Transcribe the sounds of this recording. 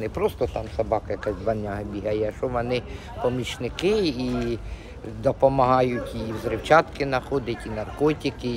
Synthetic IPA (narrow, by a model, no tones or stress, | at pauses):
nɪpɾɔst̪ɔt̪ɑmsɐbɑkɐjɐkasʲʋɐnʲːaɦɐbʲiɦɐjɛʃɔʋɔnɪ | pɔmʲit͡ʃnɪkɪi | d̪ɔpɔmɐɦɑjʊtʲiwzɾɪwt͡ʃɑt̪kɪnɐxɔd̪ɪtʲinɐrkɔtʲikɪ